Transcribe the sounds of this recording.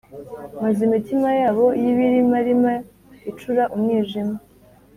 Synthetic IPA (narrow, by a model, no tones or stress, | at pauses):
mazimitimajaːβo̞jiβiɾimaɾima | it͡ʃuɾaʔumŋiːʒima